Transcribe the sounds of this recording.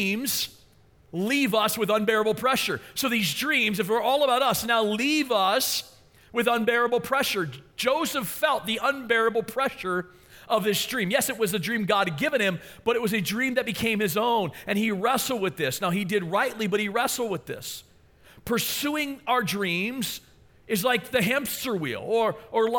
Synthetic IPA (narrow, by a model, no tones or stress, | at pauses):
mz̥ | livʌswɨðʌ̃nbɛɹɨbl̩ˠpʰɹ̥ɛʃə˞soʊðizdɹĩmzɨfwə˞ɔlˠəbaʊɾʌsnaʊlivʌs | wɨðʌ̃nbɛɹɨbl̩ˠpʰɹ̥ɛʃə˞d̥d͡ʒ̥oʊzəffɛlˠt̪̚ðiʔə̃nbɛɹɨbl̩ˠpʰɹ̥ɛʃə˞ | ʔʌvðɪsd̥ɹĩmjɛsɨt̚wʌzɨdɹĩmɡɑd̚ɡɪvɨ̃ñɨ̃m | b̥ʌɾɨt̚wʌzɨdɹĩmðɨt̚b̥ɨkʰẽɪ̃mɨzõʊ̃nɨ̃niɹɛsl̩ˠd̚wɨðɪsnaʊidɨd̚ɹaɪʔˡlibʌt̚hiɹɛsl̩ˠd̚wɨðɪ̰s | pʰə˞suɪ̃ŋaʊə˞dɹĩmz̥ | ɨzlaɪk̚ðɨɦɛ̃mpstə˞wḭlˠə˞ʔə˞l